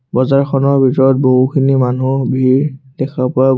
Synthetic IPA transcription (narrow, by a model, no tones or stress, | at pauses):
bɔzaɹxʰɔnɔbʱitɔɹɔt̚boɦukʰinimanubʱiɹd̥ɛkʰapʊa